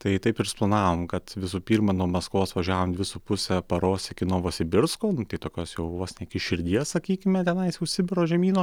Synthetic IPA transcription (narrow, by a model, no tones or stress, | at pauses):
t̪ɐɪt̪ɐɪpɪrsplˠɐnɑːʋoːmkɐt̪ʋʲɪsuːpʲiːɾmɐnuɔmɐskoːsʋɐʒʲæːʋoːmd̪ʲʋʲɪsupʊsʲɛpɐɾoːsʲɪkʲɪnuːʋoːsʲɪbʲɪɾskoːnʊt̪ɐɪt̪oːkʲoːsjɛʊʋoːsʲnʲɛɪkʲɪʃʲɪɾʲd̪ʲiɛssɐkʲiːkʲɪmʲɛt̪ʲɛnɐɪsjɛʊʃʲsʲɪbʲɪɾoːʒʲɛmʲiːnoː